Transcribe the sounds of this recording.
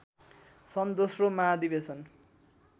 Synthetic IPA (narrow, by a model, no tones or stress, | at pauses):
sʌnd̪osromad̪ibesʌn